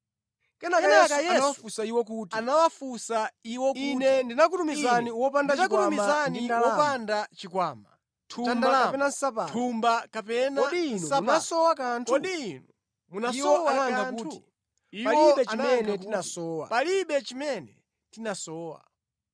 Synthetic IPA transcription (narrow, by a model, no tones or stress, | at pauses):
kɛnakaɛnakjɛanaswafusaiwɔkutianawafusaiwɔkinɛndinak̬utumizaniwɔpandaakuatumizaniwɔpandat͡ʃikwaːma̰ | tʰuamnaaapɛnansapatʰumbakapɛnaɔdnusanasɔwakaːntʰkɔɗinu | munaiwɔɔwanaŋɡanutːuti | ialwɔiɓɛanamɛanɡɛatinasɔwa̰paliɓɛt͡ʃimɛnɛ | tinasɔːwa̰